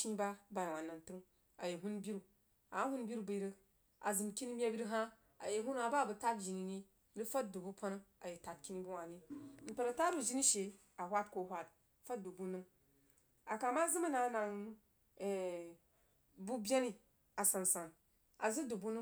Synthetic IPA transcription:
t͡ʃi˦ba˦ba˨ji˨wʷa˨na˨n˨tɨ˦ŋ | a˨je˨ɦu˦n˦bʲi˦ɾu˨ | a˨a˦hu˦n˦bʲi˦ɾu˦bɨ˨i˦ɾə˦ | a˨zɨ˨mkʲi˦ni˦mʲa˦bʲi˦ɾi˦ɦa˦ | a̰˨je˨ɦu˦n˦a˨ba˦˨bu˨ta˦td͡ʒi˨ni˨ni˦ | ɾi˦fa˦t̚du˨bu˦po˦n˦a˨je˨ta˨t̚kʲi˦ni˦bu˦wa˨ni˦n̩˨tʲa˨ɾa˨ta˦ɾu˦˨d͡ʒi˦ni˦ʃe˨ | a˨hʷa˦t̚ko˨˦ɦʷa˦t̚ | fa˦t̚du˨bu˦nɨ˦ŋ | a˨ka˨ma˦zɨ˦ma˦na˨˦na˨ŋ˨ | bu˦bʲa˦ni˦ | a˨sa˨n˨sa˨ŋ | a̰˨zɨ˦du˨bu˦nɨ˦

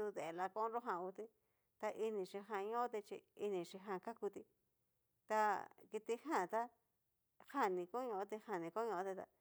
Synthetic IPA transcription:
u˧ðe˨e˨la˧kõ˦ɾo˦ɦã˧˨u˧t̪i˦ | t̪a˧ʔi˧nĩ˨ʂi˧ɦã˧ɲõ˦t̪e˧t͡ʃḭ˧i˧nĩ˨ʂi˧ɦã˧ka˦ku˧t̪i˧ | t̪a˧ki˧t̪i˧hã˦˨t̪a˦ | ha˦˨nĩ˧ko˦ɲõ˧õ˦t̪i˧ha˧˨nĩ˧ko˦ɲõ˧õ˧˦t̪i˧t̪a̰˧

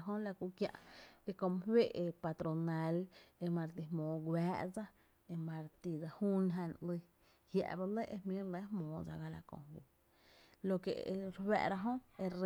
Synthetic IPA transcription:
ɦõ˦la˧ku˧kjã̰˧ʔe˧kõ˧m˧hwe˦˨e˧pa˧t̪ɾo˨na˨˧le˧mã˧ɾt̪̬i˧hmõː˨˦ɡwaː˦ʔd͡za˦ | e˧mã˧ɾt̪i˧d͡za˧huː˦nɦã˧nli˧ | hja̰˧ʔba˧le˦ʔe˧hmĩ˦ɾle˦hmõː˨˦d͡za̰˧ɡa˧la̰˧kõ̰˧hwu˧˨ | lo˧ke˨˧ɾwɛ̰˧ʔɾa˧ɦõ˦e˧ɾ

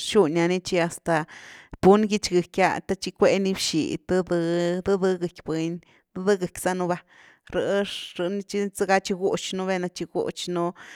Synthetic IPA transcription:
ʃu˦˧nʲa˧ni˦t͡ʃi˧a˨st̪a˨b̥u˦nɡi˦t͡ʃɡe˨kʲja̰˧t̪a˦t͡ʃi˧kʷe˧˦ni˧bʃḭ˨t̪ɨ˦d̪ɨ˧d̪ɨ˦d̪ɨ˧ɡɨ˨kʲbwe˧ɲ | d̪ɨ˦d̪ɨ˦ɡɨ˨kʲsa˦˧nu˧ba˧ | ɾɨ˧ɾɨ˧ni˧t͡ʃi˦t͡sa˦ɡa˦t͡ʃi˧ɡu˦t͡ʃnu˦˧βe˧na˧t͡ʃi˧ɡṵ˦t͡ʃnu˦

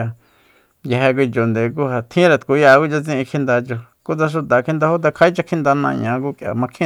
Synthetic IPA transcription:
a˧ | ja˧ɦe˧k̬ʷi˧t͡ʃo˨nd̪e˨˧ku˦ɦa˨t̪ʰĩ˦ɾa˧˨t̪ku˧ja˧ku˦t͡ʃa˧t͡sĩ˦˧ĩ˧kʰĩ˧nd̪a˧t͡ʃo˧ | ku˦t͡sa˧ʃ̬u˧t̪a˨kʰi˦nd̪a˧ho˦t̪̬a˧kʰa˧˦i˦t͡ʃa˧kʰĩ˦nd̪a˧nã̰˧˨ɲã˧ku˦kja̰˨mã˧kʰĩ˦

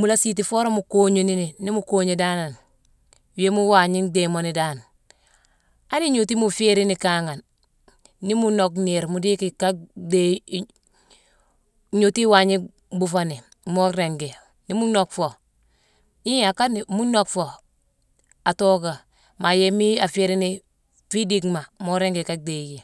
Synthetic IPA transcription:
mu˨la˦si˦t̬i˨fo˦ɾo˦mu˨koːɲeni˦ni˨ni˦mu˦koːɲeda˦na˨n | wi˦e˦mu˦wa˨ɲi˦ndemo˨ni˨daː˦n | a˦ni˦ɲu˨t̬i˦mu˨fe˦ɾi˦ni˨kaŋa˨nː | i˦mu˦no˨kne˨ɾmu˨di˦ki˨ka˦de | ɲu˨ti˦wa˨ɲi˦ | bu˨fa˦ne˨ | mo˦ɾe˨ŋɡe˨ | ni˦mu˦no˦kfo˨ | i˦ja˨ka˦ni˨mu˦no˦kfo˨ | a˨to˦ɡa˨ | ma˨je˦mi˦a˨fe˦ɾi˦ni˦ | fi˦di˦kma˨mo˦ɾe˦ŋɡe˨ka˦k̚de˨ji˨

